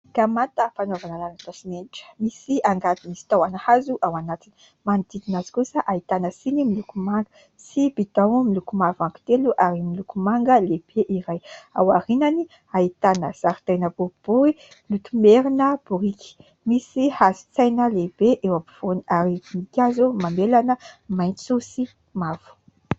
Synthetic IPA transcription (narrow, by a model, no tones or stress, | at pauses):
kamant̪əfanovanalalat̪osimeniʈ͡ʂə̥misiaŋɡat̪imisi̥t̪awanahazuʔawanat̪ini̥ | mand̪id̪inazi̥kusəʔait̪anəsinimilukumaŋɡə | sibid̪awmilukumavaŋku̥t̪eluʔaɾimilukumaŋɡəleb̥eʔiɾaja̰waɾinani | ait̪anəz̥aɾit̪ajnəbob̥uɾi | lut̪umeɾinəb̥uɾiki̥ | misihazi̥t͡sajnəlebeʔewapi̥v̥oniaɾimikʲazumamelanəmajnsusi | mav̥u̥